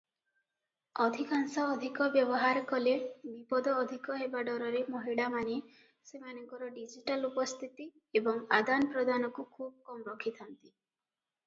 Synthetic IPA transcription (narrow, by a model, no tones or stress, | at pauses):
ɔd̪ʱikaŋsɔːd̪ʱikɔbjɔbɔɦaɾkɔlebipɔd̪ɔːd̪ʱikɔɦebaɖɔɾɔɾemoɦiɭamane | semanɔŋkɔɾɔɖid͡ʒiʈalupɔst̪ʰit̪i | ebɔŋad̪anpɾɔd̪ʱanɔkukʰubɔkɔmɾɔkʰit̪ʰant̪i